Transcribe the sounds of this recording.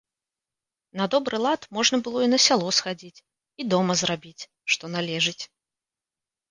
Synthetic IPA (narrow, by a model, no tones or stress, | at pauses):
nad̪ɔbɾɨlˠat̪mɔʐnɐbɨlˠɔinɐsʲalˠɔsxad͡zʲit͡sʲ | id̪ɔmɐzrabʲit͡sʲ | ʂt̪ɔnalʲɛʐɨt͡sʲ